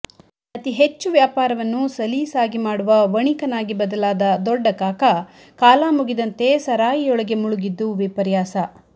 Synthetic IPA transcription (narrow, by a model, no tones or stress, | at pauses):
ɐt̪iɦe̞t͡ʃːuʋjaːpaːɾɐʋɐnːusɐliːsaːɡimaːɽuʋɐʋɐɳikɐnaːɡibɐd̪ɐlaːd̪ɐd̪ɔɖːɐkaːkɐ | kaːlaːmuɡid̪ɐnt̪e̞sɐɾaːjiɔɭɐɡe̞muɭuɡid̪ːuʋipɐɾjaːsɐ